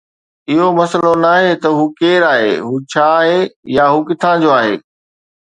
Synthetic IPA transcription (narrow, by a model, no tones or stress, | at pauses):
ɪɦomɐsəlonaːɦet̪ɐɦuːkeːɾaːɦḛːɦuːt͡ɕʰaːɦejaɦuːkɪt̪ʰãd͡ʑoaːɦḛː